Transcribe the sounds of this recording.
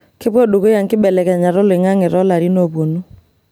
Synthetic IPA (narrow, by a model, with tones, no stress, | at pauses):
kɪ˦pɔ˦ɗo˨ko˦ja˨ŋkɪ˦ɓɛ˨lɛ˨kɛ˨ɲa˨ɾʊ˦lɪ˨ŋa˦ŋɪ˨ɾɔ˦la˨ɾi˦no˨pwo˨nu˦